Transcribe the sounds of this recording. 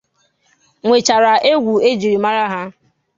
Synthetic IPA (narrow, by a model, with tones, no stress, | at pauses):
ŋʷe˨t͡ʃa˨ɾa˨ʔe˦ɡʷu˨e˦d͡ʒi˨ɾi˨ma˦ɾa˦ɦa˦